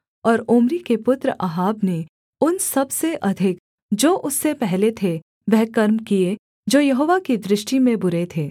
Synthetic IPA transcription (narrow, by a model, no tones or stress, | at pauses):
ɔːɾʊːmɾikepʊt̪ɾəʔaɦaːbne | ʊnsɐbseʔɐd̪ʱɪk | d͡ʒoːʔʊsːepɛɦlet̪ʰe | ʋɛɦkɐɾmkie | d͡ʒoːjɐɦoːʋakid̪ɾɪʃʈimẽbʊɾet̪ʰeː